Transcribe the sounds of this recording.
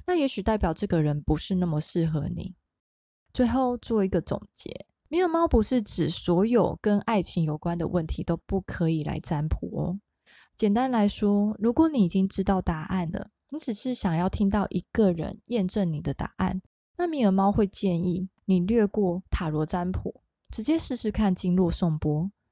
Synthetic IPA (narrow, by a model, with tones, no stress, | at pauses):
na˥˩jɛ˧˥ɕy˨t̪a˥˩ɪpjɑ˨˩ʊʈ͡ʂɤ˥˩ɡə˩ɻə˧˦npu˧˦ʂɻ̩˥˧na˥˩mə˩ʂɻ̩˥˩xɤ˧˦nḭ˨˩˦ | t͡swe˥˧ɪxo˥˧ʊt͡swɔ˥˩i˧˥ɡə˨t͡sʊ̰˨˩ŋt͡ɕjɛ̰˧˦ | mi˧˩ə˧˥mɑ˥ʊpu˧˥ʂɻ̩˥˩ʈ͡ʂɻ̩˨˩swɔ˧˥jo˨˩ʊkə˦na˥˩ɪt͡ɕʰi˧˥ŋjo˨˩ʊkwa˦nd̪ə̰˨wə˥˩nt̪ʰi˧˥t̪o˥ʊpu˥˩kʰɤ˧˦i˨˩la̰˧˥ɪt͡sa˦˥npʰu˧˥˩ɔ̰˦ | t͡ɕjɛ˨˩nt̪a˦˥nla˧˦ɪʂwɔ˥ɻu˧˥kwɔ˨˦ni˨˩i˨˩t͡ɕi˦ŋʈ͡ʂɻ̩˥t̪ɑ˥˩ʊt̪a˨˩˦ʔa˥˩nd̪ə̰˩ni˨˥ʈ͡ʂɻ̩˨˩ʂɻ̩˥˩ɕjɑ˨˩ŋjɑ˥˩ʊt̪ʰi˥ŋt̪ɑ˥˩ʊʔi˧˥ɡ̥ə˨ɻə̰˧˦njɛ˥˧nʈ͡ʂə˥˩ŋni˨˩d̪ə˦t̪a̰˨˩ʔa̰˥˩n | na˥˨mi˧˩ə˧˥mɑ˥ʊxwe˥˧ɪt͡ɕjɛ˥˧ni˥˩ni˨˩lɥɛ˥˧kwɔ˥˩t̪ʰa˨˩lɔ˧˥t͡sa˦npʰṵ˨˩˦ | ʈ͡ʂɻ̩˧˥t͡ɕjɛ˥ʂɻ̩˥˧˥ʂɻ̩˧˥kʰa˥˧nt͡ɕi˥˧nlwɔ˥˧sŋpwɔ˥